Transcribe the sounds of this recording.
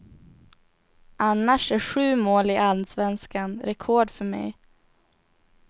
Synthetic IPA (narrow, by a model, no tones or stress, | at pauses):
ʔanːaʂæɧʉ̟ːmoːlɪʔalsvɛnskanɾɛkʰɔːɖfœmɛ̰j